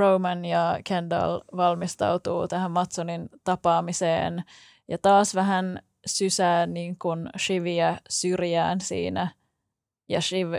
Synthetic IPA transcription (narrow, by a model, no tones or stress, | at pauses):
rowmænjɑkʰendɑ̰lʋɑlmist̪ɑ̰wt̪ṵːt̪æhæmmɑt̪sonint̪ɑpɑːmisḛːn | jɑt̪ɑːsʋæɦæn | sysæːnniːŋkunʃiʋiæsyrjæːnsḭːnæ | jɑ̰ʃiʋ